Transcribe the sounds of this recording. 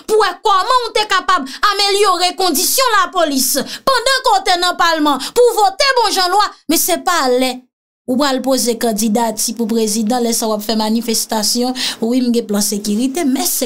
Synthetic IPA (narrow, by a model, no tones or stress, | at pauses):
puwɛkɔmʌ̃ut̪ekapabameljoʁekɔ̃d͡zisjɔ̃lapolispɑ̃d̪ɑ̃kot̪enɐ̃palmɑ̃puvot̪ebɔ̃ʒɑ̃lwamɛ̃sɛpalɛ | upɣalpozekɑ̃dd͡zid̪atipupʁezid̪ɑ̃lɛsauwapfɛmanifest̪asjɔ̃wim̩ɡɛ̃plãsekyʁit̪emɛ̃sɛ